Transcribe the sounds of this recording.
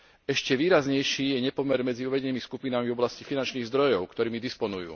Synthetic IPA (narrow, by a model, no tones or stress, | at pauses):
ɛʃcɛʋiːɾazɲɛjʃiːjɛɲɛpɔmɛɾmɛd͡ziuʋɛɟɛniːmiskupinamivɔblascifinant͡ʃniːɣzd̪ɾɔjɔʊkt̪ɔɾiːmid̪ispɔnujṵː